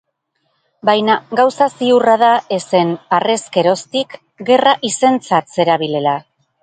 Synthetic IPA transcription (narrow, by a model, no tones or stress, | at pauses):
bajnaɡawsasiurað̞ae̞se̞nare̞ske̞ɾo̞st̪ik | ɡe̞raʔise̞nt͡sat̪se̞ɾaβ̞ile̞la